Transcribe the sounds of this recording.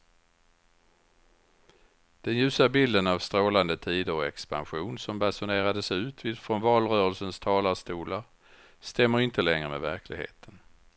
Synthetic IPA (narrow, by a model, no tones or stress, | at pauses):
d̪̥ɛnjʉ̟ːsabɪld̪ənavst̪ɾoːland̪ət̪ʰiːd̪əɾɔɛ̰kspa̰nɧuːnsɔmbasʊneːɾad̪əsɛʉ̟ːt̪ʰvɪːd̪fɾɔnvɑːlɾœːɾəlsənst̪ʰɑːlast̪uːlaɾ | st̪ɛmːəɾɪnt̪əlɛŋɾəmɛ̰væɾkʰlɪ̰ɡhḛːt̪ʰən